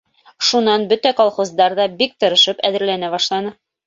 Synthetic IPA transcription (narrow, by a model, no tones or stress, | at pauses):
ʃunɑnbɵt̪ækolˠχozd̪ɑɾðɑbik̚t̪ɤ̆ɾɤ̆ʃɤpæðɘ̆ɾlænæbɑʃlˠɑnɤ